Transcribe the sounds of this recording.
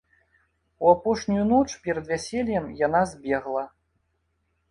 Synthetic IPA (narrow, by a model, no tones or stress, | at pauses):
uapɔʂnʲujunɔt͡ʂpʲɛɾɐd̪vʲasʲelʲjɛmjanazʲbʲɛɣlˠɐ